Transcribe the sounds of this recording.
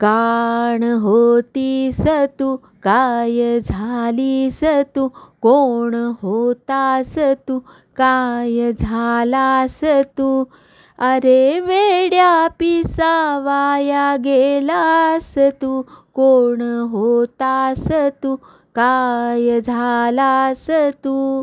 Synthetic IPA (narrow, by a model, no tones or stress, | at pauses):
kaɳɦot̪isət̪u | kajəd͡zʱalisət̪ukoɳɦot̪asət̪u | kajəd͡zʱalasət̪u | əɾeʋeɽjapisaʋajaɡelasət̪ukoɳɦot̪asət̪u | kajəd͡zʱalasət̪u